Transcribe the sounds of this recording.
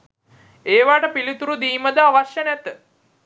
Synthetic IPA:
eːʋaːʈəpilit̪uɾud̪iːməd̪əaʋaʃjənæt̪ə

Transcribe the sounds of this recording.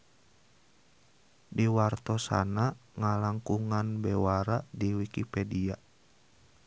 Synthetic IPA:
diwart̪ɔsa̰naŋalaŋkuŋanbɛwaɾadiwikipɛdia

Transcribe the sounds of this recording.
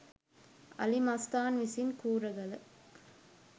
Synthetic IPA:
ɐlimɐst̪aːnʋɪsɪnkuːɾɐɣɐɭ

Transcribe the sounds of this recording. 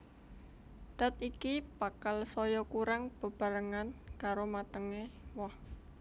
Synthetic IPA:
t̪ət̪̚ikibakalsɔjɔkuɾaŋb̥ə̤b̥a̤ɾəŋankaɾomat̪əŋewɔh

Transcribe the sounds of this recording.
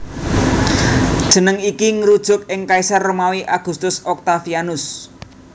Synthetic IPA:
d̥ʒ̥ə̤nəŋikiŋəɾud̥ʒ̥ʊ̤k̚ɪŋkaisarːomawiʔaɡ̥ṳst̪ʊsɔk̚t̪afianʊs

